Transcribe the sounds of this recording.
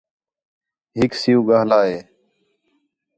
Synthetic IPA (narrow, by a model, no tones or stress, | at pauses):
ɦɪksɪjũːɡaːɦlaːɦeː